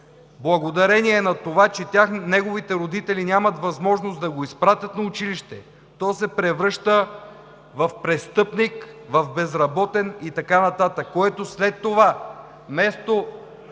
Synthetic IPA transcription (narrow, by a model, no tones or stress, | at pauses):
blˠɐɡod̪ɐɾɛniɛːnɐt̪ovat͡ʃɛt̪ʲjaxnɛɡovit̪ɛɾod̪it̪ɛlinʲamɐt̪vɐzmɔʒnosd̪ɐɡoispɾat̪ʲət̪nɐʊt͡ʃiliʃt̪ɛ | t̪ɔjsɛpɾɛvɾɤʃt̪ə | vɐfpɾɛst̪ɤpnikvɐfbɛzɾɐbɔt̪ɛnit̪ɐkanɐt̪at̪əkːoɛt̪oslɛt̪ːova | mɛst̪o